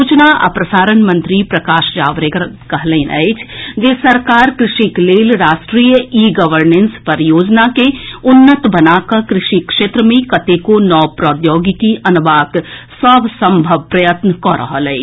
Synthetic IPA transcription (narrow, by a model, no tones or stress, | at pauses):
uːt͡ʃnaʔɐ̰pɾɐsaːɾənmə̃nt̪ɾipɾɐkaːʃd͡ʒaːʋɾekɐɦlẽnɛ̰t͡ʃʰd͡ʒeːsɐɾkaːɾkɾɪʃikleːlɾaːʃʈɾiːjəiːɡəʋəɾnẽnspɐɾjoːd͡ʒnakeʊnːət̪bɐnaːkɐkɾɪʃikʃeːt̪ɾəmẽkɐt̪ekonɔːpɾɔːd̪joːɡikiʔɐnʋaːksəːbsə̃mbʱəʋpɾɐjət̪nəkɔːɾɐ̰ɦalɐḭ